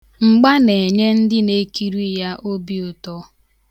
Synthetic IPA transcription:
ŋ͡m̩˨ɡ͡ba˦ne˨e˨ɲe˦n̩˦dɪ˦ne˦ki˦ɾi˦ja˦ʔo˦bi˦ʊ˨tɔ˦

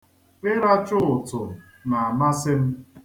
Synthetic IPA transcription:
ɪ˦ɾa˦t͡ʃʊ˦ʊ˨tʊ˨ | na˨a˨ma˦sɪ˦m̩˦

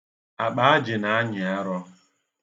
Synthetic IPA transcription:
a˨k͡pa˨a˦d͡ʒɪ˨na˨˦ɲɪ˨a˦ɾɔ˦

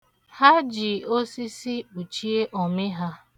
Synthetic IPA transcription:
ha˦d͡ʒi˨o˦si˦si˦k͡pu˨t͡ʃi˦e˦ʔɔ˨mɪ˦ɦa˦

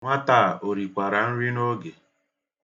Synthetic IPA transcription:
ŋʷa˦ta˦˨o˨ɾi˨kʷa˨ɾa˨n̩˦ɾi˦no˦ɡe˨

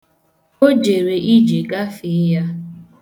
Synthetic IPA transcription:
o˦d͡ʒe˨ɾe˨ʔi˦d͡ʒe˨ɡa˦fɪ˨˦ja˦

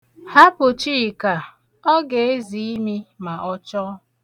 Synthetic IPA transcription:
ha˦pʊ˨t͡ʃi˦i˨ka˨ | ɔ˦ɡe˨e˦zi˨i˦mi˦ma˨ʔɔ˦t͡ʃɔ˦

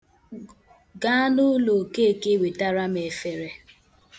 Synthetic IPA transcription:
ɡa˦nʊ˦lo˨ke˦˨ke˦˨we˨ta˦ɾa˦me˨fe˨ɾe˦

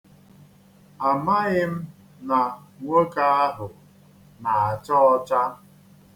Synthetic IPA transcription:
a˨ma˦ɣɪ˦m̩˦ | na˨ŋʷo˦ka˦a˦ɦʊ˨ | na˨a˨t͡ʃɔ˦ɔ˦t͡ʃa˦

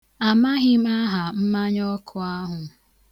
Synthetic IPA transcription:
a˨ma˦ɦɪ˦ma˦ɦa˨m̩˦ma˦ɲɔ˦kʰʊ˨a˦ɦʊ˨

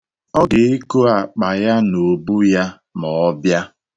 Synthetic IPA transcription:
ɔ˦ɡɪ˨ɪ˦ko˦a˨k͡pa˨ja˦no˨bu˦ja˦ | mɔ˨˦bja˦

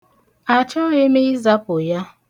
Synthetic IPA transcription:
a˨t͡ʃɔ˦e˦me˦i˦za˦pʊ˨ja˦

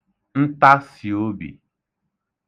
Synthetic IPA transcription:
n̩˦ta˦si˨o˦bḭ˨

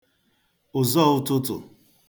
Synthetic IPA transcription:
ʊ˨zɔ˦˨ʊ˦tʊ˦tʊ̰˨

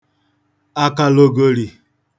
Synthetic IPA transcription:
a˦ka˨lo˨ɡo˨ɾi˨

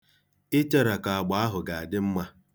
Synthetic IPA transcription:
ɪ˦t͡ʃe˦ɾa˨ka˨a˨ɡ͡ba˨a˦ɦʊ˨ɡa˨a˨dɪ˦m̩˦ma˦

